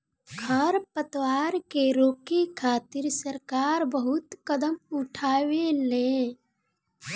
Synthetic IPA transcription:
kʰaɾpət̪waːɾkeɾoːkikʰaːt̪ɪɾsəɾkaːɾbəɦʊt̪kəd̪əmʊʈʰaːwelẽː

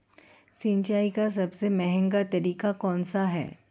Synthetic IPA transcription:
sɪ̃ɲt͡ʃaːikas̬ɐbsemɛɦɛ̃ŋɡat̪ɐɾiːkakɔ̃ːnsaɦɛ̰ː

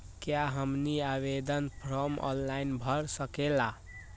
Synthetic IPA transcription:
kjaɦəmniaβed̪ənpʰɾɔmɔ̰nlajnbʱʌɾsəkela

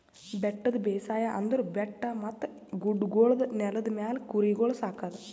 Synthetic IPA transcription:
beʈːɐðɨbeːsaːjaʔɐnd̪ɐɾbeʈːɐmɐt̪ːɐɡuɖɡoːɭɐðɨnelɐðɨmaːlkuriɡoːɭɐsaːkːaːðɨ

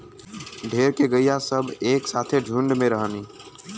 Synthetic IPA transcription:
ɖʱeːɾkeɡəijasəbʱeːksaːt̪ʰeɖʱũɳɖmẽɾəɦəni

